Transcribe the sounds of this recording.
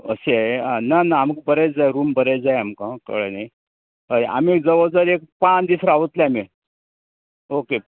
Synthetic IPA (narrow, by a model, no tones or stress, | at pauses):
ə̰seaananaːmək̚bəɾet͡sd͡zajɾuːmbəɾet͡sd͡zajamkãkə̰ɭene | əʔa̰miek̚d͡zəʋəd͡zəɾek̚pat͡sd̪isɾaaʋət̪leami | oke